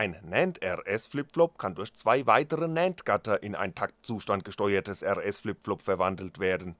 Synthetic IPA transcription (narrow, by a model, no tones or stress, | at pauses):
ʔaɪnnɛntɛʁʔɛsflɪpflɔp̚kʰandʊɐçt͡sv̥aɪvaɪtəʁənɛntɡ̥atɐʔɪna̰ɪntʰak̚tt͡suːʃtant̚ɡ̥əʃtɔʏɐtʰəsɛʁɛsflɪpflɔpfɛɐvandl̩tv̥eːɐdn̩